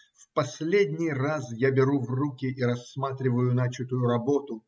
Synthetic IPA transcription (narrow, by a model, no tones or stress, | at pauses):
fpɐsʲlʲedʲnʲɪjrasjabʲɪɾuvrukʲɪʔiɾɐsmat̪ɾʲɪvəjʊnat͡ɕɪt̪ʊjʊɾɐbot̪ʊ